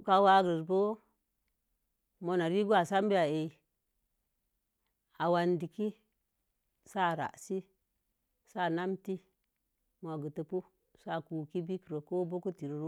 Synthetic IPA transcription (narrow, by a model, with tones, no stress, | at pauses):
ka˨wa˦ɡɾi˨sbo˦ | mo˨na˨ɾi˦ɡu˦a˨sa˦m˦bi˦a˨e˨ | a˨wa˨ndi˨ki˦ | sa˦˨ɾa̰˨si˦ | sa˦˨na˦mti˦ | mo˨ɡu˨tə˨pu˦ | sa˦˨ku˨ki˦bi˦kɾo˨ko˦bo˦ku˦ti˨ɾɾu˦